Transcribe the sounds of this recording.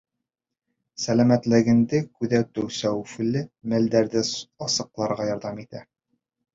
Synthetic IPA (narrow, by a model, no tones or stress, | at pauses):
sælæmæt̪lɘ̆ɡɘ̆nd̪ɘkʉðæt̪ɵwsæwfɘ̆lɘmæld̪æɾd̪ɘɒsɤ̆qlˠɑɾʁɑjɒɾd̪ɑmit̪æ